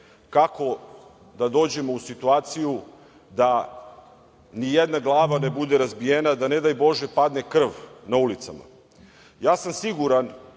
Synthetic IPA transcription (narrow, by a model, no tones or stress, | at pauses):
kako̞ | d̪ad̪o̞ːd͡ʑe̞mo̞usit̪uaːt̪siju | d̪a | nijed̪naɡlˠaːʋane̞bud̪e̞ɾazbijenad̪ane̞d̪ajbo̞ʒepad̪ne̞kr̩ʋnaulit̪sama̰ | jaːsamsiɡuɾan